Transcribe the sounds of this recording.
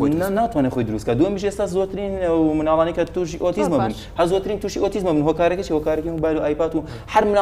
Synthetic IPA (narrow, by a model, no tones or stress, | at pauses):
naːt̪ʰwaːnexoːjd̪ɨɾust̪̚kʰad̪uɐmiʃieːst̪aːszoːt̪ʰɨɾinɐwmɨnaːlˠɑːnijkʰɐt̪uʃiʔot̪ʰizmabun | hɐɾzoːt̪ɨɾiːnt̪ʰuːʃiʔoːt̪ʰizmabunɦoːkaːɾɐkit͡ʃʰihokaːɾɐkiubaːluʔaːjpaːt̪u | ħɐɾmɨn